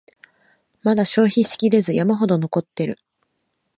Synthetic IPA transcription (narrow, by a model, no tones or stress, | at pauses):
mad̪aɕo̞ːçiɕi̥kʲiɾe̞zɨjamaɦo̞d̪o̞no̞ko̞t̪ːe̞ɾɯ̟̰